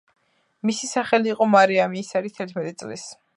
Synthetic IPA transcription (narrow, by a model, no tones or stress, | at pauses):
misisaχɛliːqʼɔmaɾiamiːsaɾit̪ʰɛɾt̪ʰmɛt̪ʼit̪sʼlis